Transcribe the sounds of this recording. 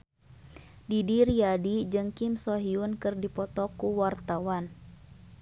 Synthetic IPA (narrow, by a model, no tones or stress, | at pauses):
didiriadid͡ʒɨŋkimsɔɦiunkɨrdipɔt̪ɔkuwart̪awan